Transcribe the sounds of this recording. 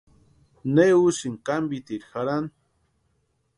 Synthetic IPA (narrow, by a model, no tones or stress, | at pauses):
neusiŋkambit̪iɾxaɾan